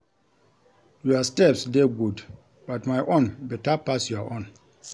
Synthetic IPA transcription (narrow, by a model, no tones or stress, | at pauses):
juastɛpsdeɡud | b̥atmajʔõnbitapasjuaʔɔ̃n